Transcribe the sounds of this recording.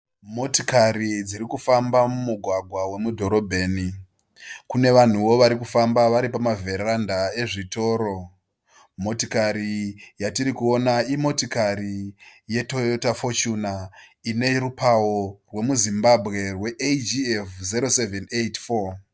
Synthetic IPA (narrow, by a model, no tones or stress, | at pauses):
mo̞tikaɾid͡ziɾikufambamumuɡʱwaɡʱwawe̞mudʱo̞ɾo̞bʱe̞ːni | kune̞ʋan̤uʋo̞ʋaɾikufambaʋaɾipamavʱe̞randae̞ʐito̞ːɾo̞ | mo̞tikaɾijatiɾikuo̞naimo̞tikaɾije̞totafot͡ʃunaine̞rupawo̞rwe̞muzimbabʱɣe̞rwe̞ʔed͡ʒiefziɾo̞sevenejtfo